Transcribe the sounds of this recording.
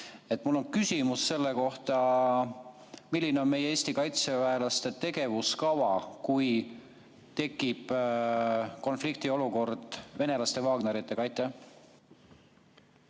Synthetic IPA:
e̞t̪mulːo̞nkysʲimusːe̞lːeko̞ht̪ɑ | milʲːineo̞nme̞jeeːsʲt̪ikɑjt̪sevæelɑst̪e̞t̪e̞ɡe̞vuskɑvɑkuj | t̪e̞kːˑib̥ | ko̞nflik̚t̪io̞luko̞rd̪̥ve̞ne̞lɑst̪e̞vɑːɡne̞ɾit̪ːˑe̞kɑjt̪ˑe

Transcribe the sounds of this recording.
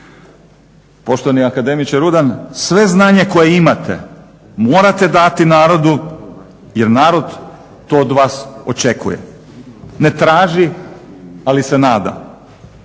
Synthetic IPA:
po̞ʃt̪oʋaniakad̪e̞mit͡ʃeɾud̪ansʋe̞znaːɲe̞ko̞jeimat̪ʰe̞̰ | mo̞ːɾat̪e̞d̪at̪inaːɾo̞d̪u | je̞ɾnaːɾo̞d̪ | t̪ːo̞ːd̪ʋaːso̞t͡ʃe̞kʰṵjḛ | ne̞t̪ɾaːʒi | alise̞naːd̪a̰

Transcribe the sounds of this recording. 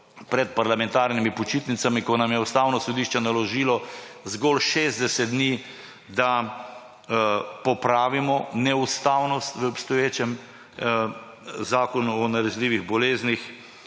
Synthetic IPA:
pɾɛt̪̚paɾlamɛ̃nt̪aːɾnimipɔt͡ʃiːt̪nit̪samikɔnamjɛust̪awnɔsɔd̪iːʃt͡ʃɛnalɔʒiːlɔzɡɔlʃeːzd̪ɛsɛt̪̚d̪niː | d̪a | pɔpɾaːʋimɔnɛust̪aːwnɔst̪ʋəɔpst̪ɔjeːt͡ʃɛm | zaːkɔnuɔnaɾɛzliːʋiɣbɔleːznix

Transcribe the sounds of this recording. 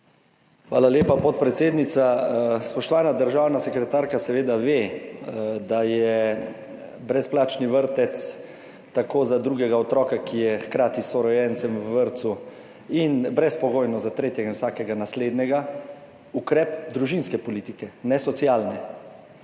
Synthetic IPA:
xʋaːlaljeːpapɔt̪pɾɛt̪seːd̪nit̪saspɔʃt̪ɔʋaːnad̪əɾʒaːwnasɛkɾɛt̪aɾkasɛʋeːd̪aʋe | d̪ajɛ | bɾɛsplaːt͡ʃniʋəɾt̪ɛt̪s | t̪akoːzad̪ɾuːɡɛɡaɔt̪ɾɔːkakijɛxkɾaːt̪isɔɾɔjɛnt̪sɛmʋəʋəɾt̪su | inbɾɛspɔɡoːjnɔzat̪ɾeːt̪jɛɡainwsaːkɛɡanasleːd̪nɛɡa | ukɾɛːpd̪ɾuʒinskɛpɔliːt̪ikɛnɛsɔt̪siaːlnɛ

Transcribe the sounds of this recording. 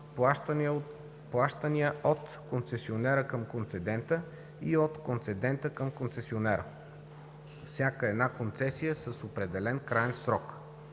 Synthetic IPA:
plˠaʃt̪ən | plˠaʃt̪ənijəʔot̪ | kont̪sɛsionɛɾəkəmkont̪sɛd̪ɛnt̪ə | iot̪kont̪sɛd̪ɛnt̪əkəmkont̪sɛsionɛɾə̰ | fsʲjakəɛd̪nakont̪sɛsijəsəsopɾɛd̪ɛlɛnkɾaɛnsɾɔk

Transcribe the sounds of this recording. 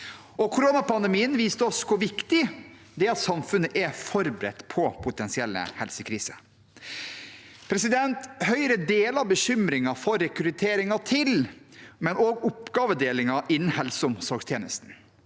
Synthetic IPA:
ɔkʰʊɾoːnɑpɑnd̪ɛmiːənʋiːst̪əɔskʰʊʋɪkt̪ɪ | d̪ɛɑt̪sɑmfʉnːəʔɛfɔɾbɾɛ̰t̪ːpʰɔpʰʊt̪ɛnsɪɛlːə̰hɛlsəkʰɾiːsə | pʰɾɛsɪd̪ɛnt̪hœʏɾəd̪eːlɑʋbəɕʏmɾɪŋɑfɔɾɛkɾɪt̪ʰeːɾɪŋɑt̪ʰɪlmɛnoːɡʊpɡɑːʋəd̪eːlɪŋɑʔɪnːn̩hɛlsəʊmsɑkst̪ʰjeːnəst̪n̩

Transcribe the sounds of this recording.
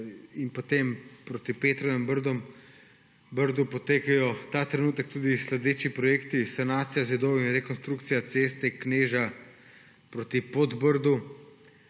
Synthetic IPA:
inpot̪empɾot̪ipeːt̪ɾɔʋɛmbəɾd̪ɔm | bəɾd̪upot̪eːkajɔt̪aːt̪ɾɛnuːt̪ək̚t̪uːd̪islɛd̪eːt͡ʃipɾɔjeːkt̪isanaːt̪sijazɛd̪owinɾɛkonst̪ɾukt̪sijat̪seːst̪ɛkneːʒa | pɾot̪ipod̪bəɾd̪u

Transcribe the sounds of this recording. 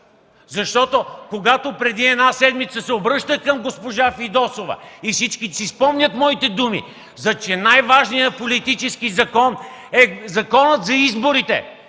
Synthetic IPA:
zɐʃt̪ɔt̪okoɡat̪opɾɛd̪iɛd̪nasɛd̪mit̪səsɛobɾɤʃt̪əkɐmɡospoʒafid̪ɔsovɐ̰ifsit͡ʃkisispɔmnʲət̪mɔit̪ɛd̪umḭ | zɐt͡ʃɛnajvaʒnijəpolit̪it͡ʃɛskizɐkɔnɛzɐkɔnət̪zɐizboɾit̪ɛ̰

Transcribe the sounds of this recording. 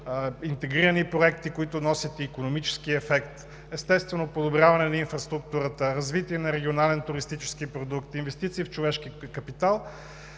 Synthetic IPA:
int̪ɛɡɾiɾənipɾoɛk̚t̪ikoit̪ʊnɔsit̪ɛikonomit͡ʃɛ̥skiɛfɛkt̪ | ɛst̪ɛst̪vɛnopod̪obɾʲjavɐnɛnɐinfɾɐst̪ɾuk̚t̪uɾət̪əɾɐzvit̪iɛnɐɾɛɡʲionalɛnt̪ʊɾist̪it͡ʃɛ̥sk̟ipɾod̪ukt̪invɛst̪it̪siːft͡ʃovɛʃkikɐpit̪alˠ

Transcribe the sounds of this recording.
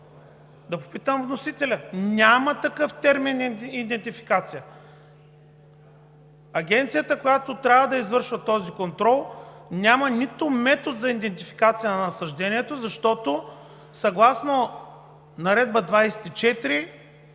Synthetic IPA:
d̪ɐpo̥pit̪əmvnosit̪ɛlʲɐnʲamɐt̪ɐkɤft̪ɛɾminid̪ɛnt̪ifi̥kat̪sijə | ɐɡʲɛnt̪sijət̪əkojat̪ot̪ɾʲavɐd̪ɐizvɤɾʃvɐt̪ɔzikont̪ɾɔlˠnʲamɐnit̪ʊmɛt̪ot̪zɐid̪ɛnt̪ifi̥kat̪sijɐnɐnɐsɐʒd̪ɛniɛt̪ozɐʃt̪ɔt̪o | sɐɡlˠasno | nɐɾɛd̪̚bəd̪vajsɛ̥t̪it͡ʃɛt̪ɾi

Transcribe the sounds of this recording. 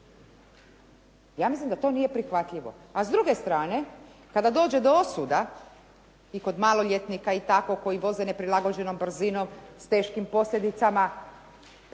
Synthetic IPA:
jaːmislimd̪at̪o̞nijepɾixʋat̪ʎʲiʋo̰ | azd̪ɾuɡe̞st̪ɾaːne̞kad̪ad̪o̞ːd͡ʒe̞d̪oosud̪a | iko̞d̪maːlˠoʎʲe̞t̪nikait̪ako̞ko̞jiʋo̞ze̞ne̞pɾilaɡo̞d͡ʑe̞nombr̩zino̞mst̪e̞ːʃkimpo̞slʎʲe̞d̪it̪sama

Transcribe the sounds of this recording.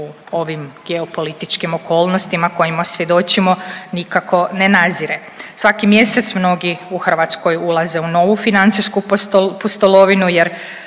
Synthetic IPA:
uoʋimɡ̥eopo̞lit̪it͡ʃkimo̞kʰo̞ːlˠnost̪imako̞jimasʋje̞d̪o̞t͡ɕimo̞nikakʰo̞nenaziɾe | sʋakimje̞se̞t̪smno̞ɡiuxr̩ʋat̪sko̞julˠaze̞uno̞ʋufinant̪siskupost̪olˠo̞ʋinujeɾ

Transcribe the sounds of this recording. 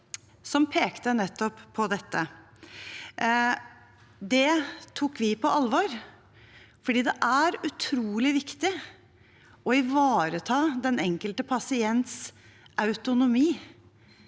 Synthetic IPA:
sɔmpʰeːkt̪ənɛt̪ːɔpʰːɔd̪ɛt̪ːə | d̪ɛt̪ʰukːʋɪpʰɔʔɑlʋɑːɾ | fɔɖiːd̪ɛʔæɾʉt̪ʰɾuːlɪʋɪkt̪ɪ | ɔɪʋɑːɾət̪ʰɑːd̪ɛnɛŋkəlt̪əpʰɑsɪɛnt̪s | ɑʉt̪ʊnʊmiː

